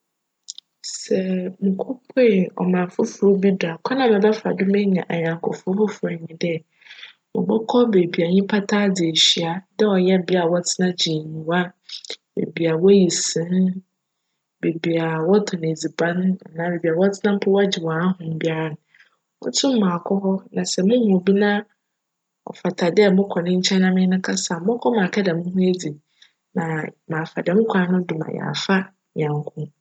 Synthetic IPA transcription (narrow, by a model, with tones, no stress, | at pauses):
sɛ˨mũ˨kʰʊ˦pʰɔ˦˨ɔ̰˨mã˨fʊ˦fʊ˨ɾo˦bi˦dʊ˨a˨kʰɔ˦nã˨mɛ̃˨bɛ˦fa̰˨dʊ˦mɛ̃˦ɲã˨ʔa˨ɲã˨ŋ˨kʰʊ̰˨fʊ˦fʊ˦fʊ˨ɾa˨ɲĩ˨dɛ˦ | mʊ̰̃˨bɔ˦kʰɔ˦be˨bi˨a˨ɲĩ˦pʰa˦tʰa˦d͡zɪ˨e˨ɕi˦˨a˨dɛ˦ɔ˨jɛ˦˨bɪ˦a˨wɔ˦tʰɪ˦nã˦d͡ʑi˨nĩ˨wa˦bḛ˨bi˨a˨wɔ˦ji˨sɪ̃˨˦n | be˨bi˨a˨wɔ˦tʰɔ˨n˨e˨d͡zi˨bã˦n˦a̰˨nãː˨˦be˨bi˨a˨wɔ˦tʰɪ˦nã˦m̩˦pʰʊ˦wa˦d͡ʑɪ˨wɔ̃˨˦a˦hʊ̃˨m̩˦bi˦a˦ɾa˨n˨ | mʊ̰̃˦tʰʊ̃˦m˦mãː˨kʰɔ˦hɔ˦nã˨sɛ˨mʊ̃˦hʊ̃˨o˨bi˦nã˦ | ɔ̰˨fa˨tʰa˨dɛ˦˨mʊ̃˦kʰɔ˨nɪ̃˦ɲ̩˦t͡ɕʰɛ̃˦nã˦mɪ̃˦nʊ̃˦kʰa˦sa˨mʊ̃˦kʰɔ˦mã˨kʰɛ˦dɛ˨mʊ̃˦ɦʊ̃˦e˦d͡zi˨ | nã˨mãː˨fa˨dɛ˨mʊ̃˦kʰʷã˨˦nʊ̃˦dʊ̃˨ma̰˨ja̰˨fa˦ | ɲ̰̃˨ã˨ŋ˦kʰʊ̃˦